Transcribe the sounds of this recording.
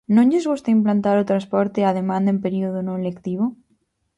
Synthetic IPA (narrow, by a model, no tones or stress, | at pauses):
nõŋɲʎezɣust̪aimplant̪aɾot̪ɾaspɔɾt̪eað̞emãnd̪aempeɾioð̞onõelekt̪iβo